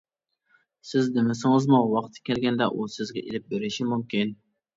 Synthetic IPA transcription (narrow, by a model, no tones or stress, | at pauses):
sɪznɪmɪsɪŋɨzmuwɑqt̪ʰːkʲʰɛlɡʲɛnd̪ɛʔusɪzɡʲɛ̰ʔḛlɪp̚beɾɪʃimumkʲin